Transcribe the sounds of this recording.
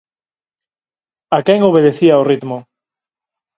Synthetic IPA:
akɛŋoβ̞eð̞eθiaorit̪mo

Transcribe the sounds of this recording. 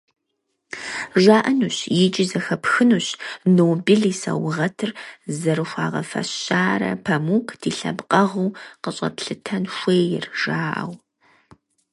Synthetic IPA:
ʒaːʔɐnuːɕjɪt͡ʃʼɪzɐxɐpxɨnuːɕnoːbiɮiːsɐ̰wʁɐtʰɨrzɐɾɨxʷɑːʁɐ̰fɐ̰ɕaːɾɐ̰pʰɐmuːkʰd̥iːɬɐ̰bqʼɐʁuːqəɕʼɐ̰pɬɨtʰɐnʃʷeːjɪ̰rʒ̥aːʔɐ̰w

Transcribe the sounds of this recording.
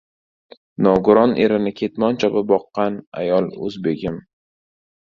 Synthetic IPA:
nɒɡʊɾɒne̞ɾɪnɪkʲʰe̞t̪mɒnt͡ʃʰɒbɪbɒqːɑna̰jɒlˠɵ̰zbeɡʲɪm

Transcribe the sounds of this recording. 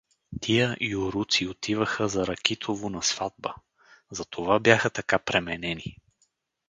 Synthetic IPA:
t̪ʰijəʔioɾut̪siot̪ʰivəxəzɐɾɐkɛt̪ʰovonɐsv̥ad̪̚bə | zɐt̪ʰovabjaxət̪ɐkapɾɛmɛnɛni

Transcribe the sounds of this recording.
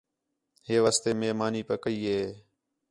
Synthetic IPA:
heːʋaːst̪eːmeːɦmaːniːpəkəiːɦeː

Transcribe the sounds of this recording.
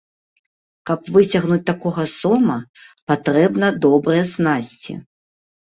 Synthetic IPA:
kɐpvɨt͡sʲɐɣnut͡sʲt̪akɔɣɐsɔmɐpat̪ɾɛbnɐd̪ɔbɾɨjɛsnasʲt͡sʲḭ

